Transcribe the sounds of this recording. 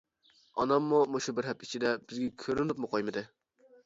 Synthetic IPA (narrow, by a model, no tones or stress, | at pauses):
ɑ̰nɑmːumoʃubɪɾɦɛpit͡ʃʰid̪ɛbɪzɡʲɛkʲʰøɾɪnupmʊqʰojmɨd̪ɨ